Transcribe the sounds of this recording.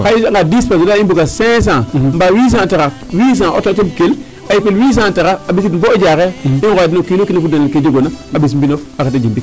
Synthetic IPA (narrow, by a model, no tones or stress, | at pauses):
kaaŋɡadispasodaimbuɡasẽs̬ãmbawis̬ãtaɣa | wis̬ãʔo̰totemkel | ajipilwis̬ãtaɣaabis̬itbod͡ʒakeinadinokinokinafudanaked͡ʒeɡonaabismbinofakatad͡ʒimbik